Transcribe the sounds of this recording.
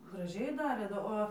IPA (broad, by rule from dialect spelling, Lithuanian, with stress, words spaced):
ɡrɐˈʒʲɛɪ ˈdɑːrʲeː doː ˈoː